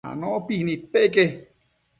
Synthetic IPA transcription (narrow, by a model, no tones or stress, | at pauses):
a̰nõʔopihnipeʔke